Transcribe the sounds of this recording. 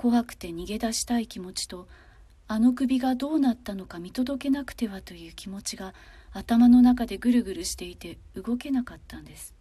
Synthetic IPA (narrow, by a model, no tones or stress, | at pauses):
ko̞ɦakɯ̟̥t̪e̞ɲ̟iɡe̞d̪aɕi̥t̪aikʲimo̞t͡ɕi̥t̪o̞ | ano̞kɯ̟bʲiɡad̪o̞ːnat̪ːano̞kamʲit̪o̞d̪o̞ke̞nakɯ̟̥t̪e̞βat̪o̞jɯ̟ːkʲimo̞t͡ɕiɡaːt̪amano̞nakad̪e̞ɡɯ̟ɾɯ̟ɡɯ̟ɾɯ̟ɕi̥t̪e̞it̪e̞ɯ̟ɡo̞ke̞nakat̪ːãnd̪e̞sɨ̥